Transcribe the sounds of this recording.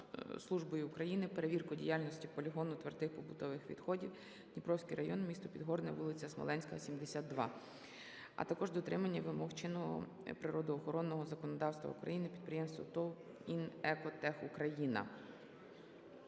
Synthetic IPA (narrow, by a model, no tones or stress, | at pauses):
slˠuʒbɔjʊʊkɾɐjinɪpeɾeʋʲirkʊdʲḭjalʲnɔsʲtʲipɔlʲiɦɔnʊt̪ʋert̪ɪxpɔbʊt̪ɔʋɪxʋʲḭd̪xɔdʲiw | nʲipɾɔwsʲkijɾɐjɔnmʲist̪ɔpʲid̪ɦɔɾnɛʋulˠɪt͡sʲɐsmɔ̰lˠɛnʲsʲkɐsʲimd̪esʲad̪ːʋɑ | ɐ̰t̪ɐkɔʒd̪ɔt̪ɾɪmɐnʲːɐʋɪmɔxt͡ʃɪnːɔɦɔ̰ | pɾɪɾɔd̪ɔːxɔɾɔnːɔɦɔzɐkɔnɔd̪ɑwst̪ʋɐ̰ṵkɾɐ̰jinɪpʲid̪̚pɾɪjemst̪ʋɔ̰t̪ɔ | inɛkɔt̪ɛxukɾɐjinɐ̰